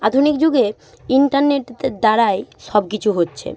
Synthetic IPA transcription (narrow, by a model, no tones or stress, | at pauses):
ad̪ʱunikd͡ʑuɡe | iɳʈaɾneʈ̪ed̪aɾaeʃɔbkit͡ɕʰuɦotːɕʰḛ